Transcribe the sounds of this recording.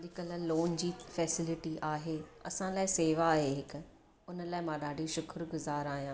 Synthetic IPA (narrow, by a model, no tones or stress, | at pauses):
ɗɪkəlloːnd͡ʑiːfɛːsɪlɪʈiʔaːɦeːɐ̰sãlaːɪseːʋaːɦeɦɪkʊ̆ | ʊnəlaːɪmãːɗaːɖʱiʃʊkɾɡʊzaːɾaːɦijãː